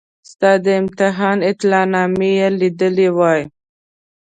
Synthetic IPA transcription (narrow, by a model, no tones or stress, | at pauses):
st̪ɑd̪əɪmt̪ɪɦɑnɪt̪lɑnɑmejelid̪əlewɑj